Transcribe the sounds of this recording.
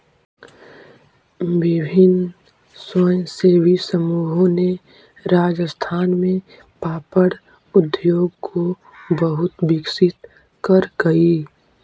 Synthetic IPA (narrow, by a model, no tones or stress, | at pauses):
wɪbʱɪn | səjseːbisəmuːɦõne | ɾaːd͡ʒəst̪ʰaːnmẽ | paːpəɽ | ʊd̪joːɡkʰo | bəɦʊt̪bɪksɪt̪ | kəɾɡəi